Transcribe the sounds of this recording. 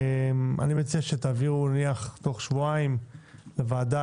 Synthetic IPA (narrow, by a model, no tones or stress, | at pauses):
mʔa̰nimet͡siaʃet̪aːviʁuniaχt̪o̞χʃvuaimlevaːd̪a